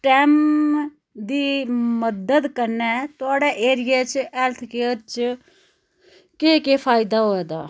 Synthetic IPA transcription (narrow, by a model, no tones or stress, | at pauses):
ʈɛːm | d̪iːməd̪əd̪kəɾnɛːt̪ʊaːɖaːʔeːɾɪjaːt͡ʃɛːlt̪ʰkeːɾt͡ʃ | keːkeːpʰaːɪd̪aːɦoːɛːd̪aː